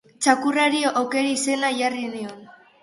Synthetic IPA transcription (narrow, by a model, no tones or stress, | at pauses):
t͡ʃakuraɾiʔowke̞ɾaise̞naʝarinion